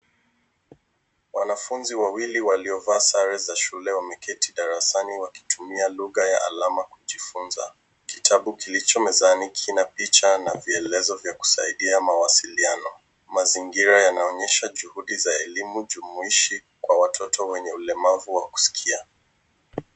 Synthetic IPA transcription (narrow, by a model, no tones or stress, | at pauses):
wanafunziwawiliwaliɔvaːsaɾɛzaʃulɛwamɛkɛtiɗaɾasaniwaki̥tʰumialuɣaja̰ʔa̰lamakuʄifunza̰ | kitʰaɓukilit͡ʃɔmɛzanikʰinapit͡ʃanaviɛlɛzɔvjaku̥saiɗiamawasilianɔ | maziŋɡiɾajanaɔɲɛʃaʄuhuɗizaɛlimuʄumuiʃi | kwawatʰɔtɔwɛɲɛulɛmavuwaku̥si̥kʰia